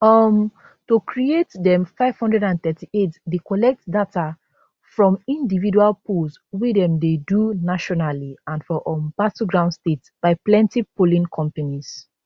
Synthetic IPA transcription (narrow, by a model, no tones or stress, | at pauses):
ɔm | tokɹietdɛ̃mfaɪv̥hɔ̃ndɹɛɾãnθɛtietdekɔlɛk̚tdatʰa | fɹɔ̃mĩndividualpuls | widɛ̃mdedunaʃɔnaliãnfɔʔɔmbatuɡɹãʊ̃ndstet | b̥aɪplɛ̃ntipolĩnkʰɔ̃mpanis